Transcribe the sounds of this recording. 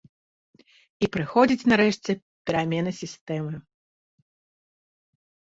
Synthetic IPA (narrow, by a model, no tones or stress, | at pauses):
ipɾɨxɔd͡zʲit͡sʲnaɾɛʂt͡sʲɛ | pʲɛɾamʲɛnɨsʲist̪ɛmɨ